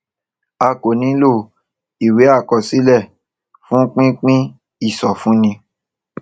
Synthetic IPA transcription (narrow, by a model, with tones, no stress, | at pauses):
a˧˨ko˨nĩ˨˦lo˦˨ | i˨we˨˦a˦˨kɔ˧si˦lɛ˦˨ | fũ˦k͡pĩ˦k͡pĩ˦ | i˦˨sɔ˨fũ˨˦nĩ˧